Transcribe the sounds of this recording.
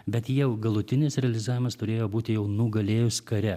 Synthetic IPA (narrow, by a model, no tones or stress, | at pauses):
bʲɛt̪jɛʊɡɐlˠʊt̪ʲɪnʲɪsɾʲɛɐlʲɪzɑːʋʲɪmɐst̪ʊɾʲeːjoːbuːt̪ʲɪjɛʊnʊɡɐlʲeːjʊskɐɾʲɛ